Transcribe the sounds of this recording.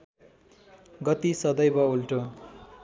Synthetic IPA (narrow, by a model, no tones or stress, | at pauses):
ɡʌt̪isʌd̪ʌjbʌulʈo